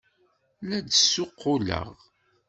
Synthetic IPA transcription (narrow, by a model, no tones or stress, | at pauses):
lædəsːʊqːʊlə̰ʁ